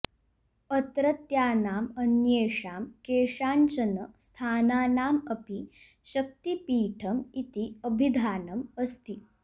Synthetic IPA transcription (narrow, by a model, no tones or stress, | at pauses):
ɐt̪ɾɐt̪jaːnaːmɐnjeːʂaːmkeːʂaːnt͡ʃɐnɐst̪ʰaːnaːnaːmɐpi | ɕɐk̚t̪ipiːʈʰɐmit̪iɐbʱid̪ʱaːnɐmɐst̪i